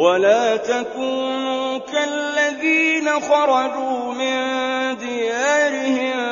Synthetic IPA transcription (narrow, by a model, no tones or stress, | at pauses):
walaːt̪akuːnuːkalːaðiːnaxɑɾˤɑd͡ʒuː | mɪnd̪ɪjaːɾɪhɪm